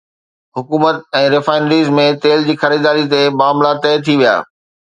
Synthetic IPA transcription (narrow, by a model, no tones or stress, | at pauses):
ɦʊkuːmət̪ɛ̃ːɾɪfaːɪnəɾiːzmẽt̪eːld͡ʑiːxɐɾiːd̪aːɾit̪emaːmlat̪ɐːt̪ʰiʋija̰ː